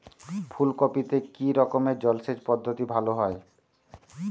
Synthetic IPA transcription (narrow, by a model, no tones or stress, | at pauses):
pʰulkopit̪ekiɾɔkomeɾd͡ʑɔlsed͡ʑpɔd̪ʱːot̪ibʱaloɦɔe